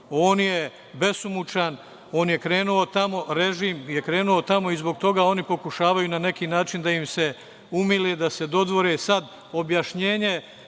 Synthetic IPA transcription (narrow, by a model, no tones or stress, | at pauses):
oːnje | be̞sumut͡ʃan | o̞ːnje̞kɾe̞ːnuot̪amo̞ɾe̞ʒiːmje̞kɾe̞ːnuo̞t̪amo̞izbo̞ɡ̚t̪o̞ɡaːo̞ːnipo̞kuʃaːʋajunane̞kiːnaːt͡ʃind̪aimse̞ | umileːd̪ase̞d̪o̞d̪ʋo̞ɾeːsad̪ | o̞bjaʃɲe̞ːɲe̞